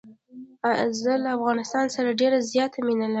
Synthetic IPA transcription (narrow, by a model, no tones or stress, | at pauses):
azəlaːfɣɑnɪst̪ɑnsaɾaɖeɾazjɑt̪ʰaminəla